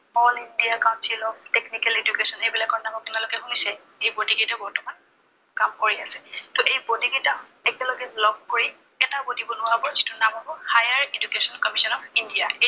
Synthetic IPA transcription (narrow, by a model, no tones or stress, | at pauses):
ɔlindiakaʊ̃nsilɔbtɛknikɛled͡ʒukesɔnejbilakɔnamɔk̚tunalʊkɛxunisɛ | ejbodiɡitabɔɹtɔman | kamkoɹiasɛtɔʔejbodiɡita | ɛkɛlɔɡɛlɔb̚koɹi | ɛtabodibɔnʊwabɔɹzitʊnamɦabɔhajaɹed͡ʒukesɔnkɔmisɔnɔindijaʔe